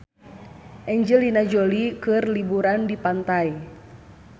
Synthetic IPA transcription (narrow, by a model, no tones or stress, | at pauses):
ʔɛɲd͡ʒəlinad͡ʒolikɨrlibuɾandipant̪ai